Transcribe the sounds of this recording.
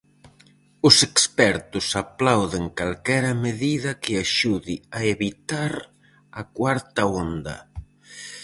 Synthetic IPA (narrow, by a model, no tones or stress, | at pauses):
ʊsekspɛɾt̪ʊsaplawðeŋkalkɛɾɐmeðiðɐkɪaʃuðiɐeβit̪aɾ | ɐkwaɾt̪ɐond̪ɐ̰